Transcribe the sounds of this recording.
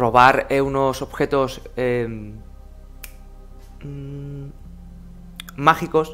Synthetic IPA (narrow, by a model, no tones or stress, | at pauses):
ro̞βaɾeuno̞so̞βxe̞t̪o̞se | maxiko̞s